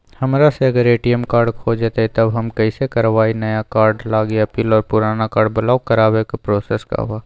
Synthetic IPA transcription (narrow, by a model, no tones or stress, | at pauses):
hɐmɾaseɐɡəɾeːʈijɛmkaːɾɖkʰoːd͡ʒet̪et̪ɐbɦɐmkɐɪsekɐɾʋaːinɐjakaːɾɖlaːɡiɐpiːlɔːɾpʊɾaːnakaːɾɖbɐlaːkɐɾaːwekapɾɔːsɛːska̰ɦuaː